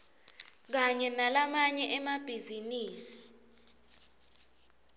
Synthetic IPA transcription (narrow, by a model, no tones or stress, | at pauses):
k̬aɲɛnalamaɲɛʔɛmab̥ʱiziniːsi̥